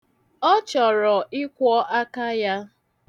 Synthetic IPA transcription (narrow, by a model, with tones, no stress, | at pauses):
ɔ˦t͡ʃɔ˨ɾɔ˨ʔɪ˦kʷɔ˦ʔa˦ka˦ja˦